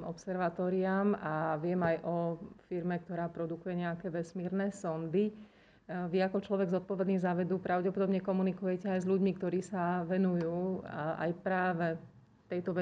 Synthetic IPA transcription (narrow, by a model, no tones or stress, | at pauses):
ʔɔ̰psɛɾʋat̪ɔːɾiamaʋɪɛmajʔɔfiɾmɛk̚t̪ɔɾaːpɾɔd̪ukujɛɲɛakɛːʋɛsmiːɾnɛːsɔnd̪i | ʋiakɔt͡ʃlɔʋɛɡzɔt̪̚pɔʋɛd̪niːzaʋɛd̪uːpɾaʊɟɛpɔd̪ɔbɲɛkɔmunikujɛcɛajzʎuɟmikt̪ɔɾiːsaʋɛnujuːa̰jpɾaːʋɛ | t̪ɛjt̪ɔʋɛ